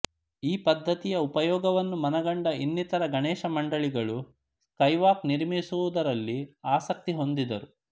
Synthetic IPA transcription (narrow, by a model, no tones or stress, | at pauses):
iːpɐd̪ʱːɐt̪ijɐupɐjɔːɡɐʋɐnːumɐnɐɡɐɳɖɐinːit̪ɐɾɐɡɐɳɛːʃɐmɐɳɖɐɭiɡɐɭu | skɐjʋaːkniɾmisuʋud̪ɐɾɐlːiaːsɐk̚t̪iɦo̞nd̪id̪ɐɾu